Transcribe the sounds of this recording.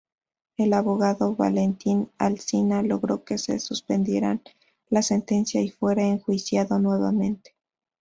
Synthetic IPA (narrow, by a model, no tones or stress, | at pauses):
e̞laβo̞ɣaðo̞βa̰le̞nt̪ina̰lsinalo̞ɣɾo̞ke̞se̞̰suspe̞nd̪je̞ɾa̰n | lase̞nt̪e̞nsjaifwe̞ɾaeŋxwisjaðo̞nwe̞βa̰mẽ̞nt̪e̥